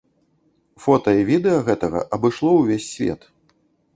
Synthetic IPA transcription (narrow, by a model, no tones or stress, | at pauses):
fɔt̪ɐivʲid̪ɛjɐɣɛt̪ɐɣɐ̰ʔɐbɨʂlˠɔwvʲesʲːvʲɛ̰t̪